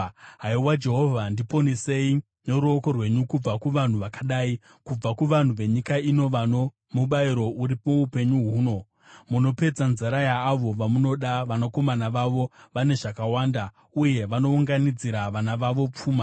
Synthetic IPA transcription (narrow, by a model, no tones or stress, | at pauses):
ɦaiwad͡ʒe̞ɦo̞vʱandipo̞nise̞i | no̞ɾuo̞ko̞rwe̞ɲukub͡vakuʋan̤uʋakaɗaːi | kub͡vakuʋan̤uʋe̞ɲikaino̞ʋano̞ | muɓaiɾo̞ʔuɾipoupe̞ɲuɦuːno̞ | muno̞pe̞d͡zanzaɾajaːʋo̞ʋamuno̞ɗaʋanoko̞manaʋaʋo̞ʋane̞ʐakawaːnda | uje̞ʋano̞uŋɡanid͡ziɾaʋanaʋaʋo̞p͡fuːma